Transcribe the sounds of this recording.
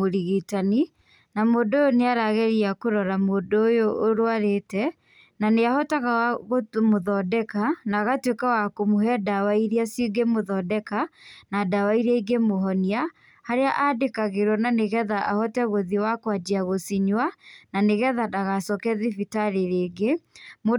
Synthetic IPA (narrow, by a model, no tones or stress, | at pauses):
oɾiɣitani | namoːdojoneaɾaɣɛɾiakoɾɔɾamoːdoːjoʔːɾoaɾetɛ | naneahɔtaɣaaɣomoðɔdɛkanaːɣatwekawakomoɦɛdawaiɾiasjoɡemoðɔdɛkanadawaiɾɛiɡemoɦɔnia | haɾeaʔadekaɣeɾwɔnaneɣɛðaʔahɔtɛɣoðiwakwad͡ʒiaɣosiɲwananeɣɛðadaɣasɔkɛðivitaɾeɾeːɡemo